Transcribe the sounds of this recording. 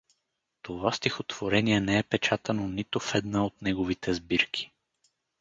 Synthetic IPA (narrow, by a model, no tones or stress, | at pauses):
t̪ovast̪ixot̪v̥oɾɛniɛnɛɛpɛt͡ʃat̪ɐnonit̪ofɛd̪naot̪nɛɡovit̪ɛzbiɾkʰʲi̥